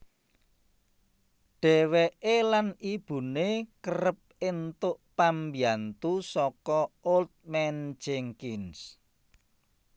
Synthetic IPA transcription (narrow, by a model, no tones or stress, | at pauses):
ɖ̥ɛ̤weʔelanib̥ṳnekəɾəp̚ent̪ʊʔpambiant̪usɔkɔolt̪̚mɛnd͡ʒɛŋkins